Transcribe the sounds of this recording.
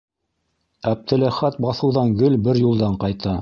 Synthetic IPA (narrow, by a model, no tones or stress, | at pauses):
æb̚t̪ɘ̆læχæt̪̚bɑθɤ̆wðɑŋɡɵlbɘɾjulˠd̪ɑɴqɑjt̪ɑ